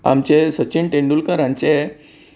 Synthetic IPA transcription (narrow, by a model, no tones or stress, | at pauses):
a̰mt͡ɕesət͡ɕiɳʈeɳɖulkəɾãɲt͡ɕe